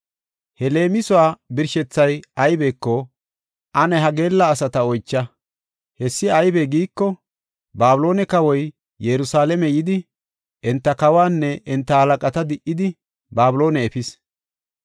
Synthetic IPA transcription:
hɛle̞ːmɪsʊwaːbɪɾʃɛt͡sːɐjɐjbɛːkːɔ | ʔɐnɛɦɐɡe̞ːlːɐːs̬ɐt̪ɐɔjt͡ʃːɐ | hɛsːɪɐjbɛɡiːkːɔ | baːbʊlo̞ːnɛkɐwɔj | jɛɾʊsaːlɛmɛjɪd̪ɪ | ʔɛnt̪ːɐkɐwaːnːɛʔɛnt̪ːɐhɐlɐkʼɐt̪ɐd̪ɪʔːɪd̪ɪ | baːbʊlo̞ːnɛɛfɪs

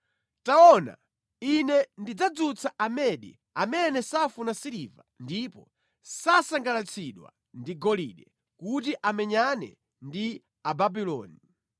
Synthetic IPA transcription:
taɔna̰ | inɛndid͡zad͡zut͡sʰaʔamɛɗḭ | amɛnɛsafunasiɾiva̰ndipɔ | sasaŋɡalat͡sʰiɗwa̰ | ndiɡɔliɗɛ | kut̬iʔamɛɲanɛ̰ | ndi | ababilɔ̰ːni

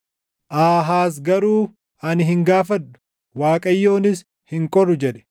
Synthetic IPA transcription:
ʔaːɦaːs̬ɡɐɾuː | ʔɐnɪɦɪŋɡaːfɐᶑʊ̥ | waːkʼɐjːo̞ːnɪs | hɪŋkʼɔrːʊd͡ʒɛᶑɛ̥

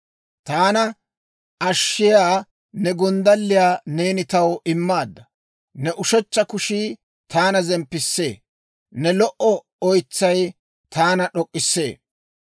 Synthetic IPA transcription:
t̪aːnɐ | ɐʃːɪjaː | nɛɡɔnd̪ɐlːɪjaːne̞ːnɪt̪ɐwɪmːaːd̪ːɐ | nɛʔʊʃɛt͡ʃːɐkʊʃiː | t̪aːnɐzɛmpːɪsːe̞̰ː | nɛlɔʔɔ | ɔjt͡sːɐj | t̪aːnɐɗɔkʼːɪsːe̞̰ː

